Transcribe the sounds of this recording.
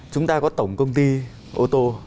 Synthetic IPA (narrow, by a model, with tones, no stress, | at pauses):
t͡ɕʊ˨˦ŋ͡mt̪aː˧kɔ˨˦t̪ə˨˩wŋ͡mkə˧wŋ͡mt̪i˧ | ʔo˧t̪o˧